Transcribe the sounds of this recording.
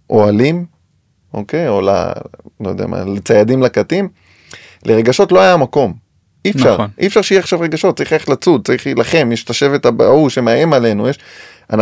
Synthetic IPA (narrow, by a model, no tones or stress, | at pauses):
ʔo̞alim | okejo̞la̰lojdḛa̰ma̰let͡sajadimlakat̪im | lʔeʁe̞ɡaʃo̞tloajamako̞m | ifʃaʁʔḭfʃaʁʃijiaχʃavʁeɡaʃo̞t̪̚t͡saɐʁiχaeχetlat͡sud̪̚t͡saʁiχlilaχe̞mjeʃet̪aʃe̞vet̪abauʃemeajemale̞nujeʃ | a̰na